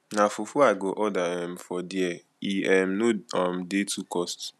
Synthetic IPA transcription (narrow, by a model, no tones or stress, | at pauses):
nafufuaɡoʔɔdaɛm̩fɔdiɛ | iɛm̩noɔm̩detukɔst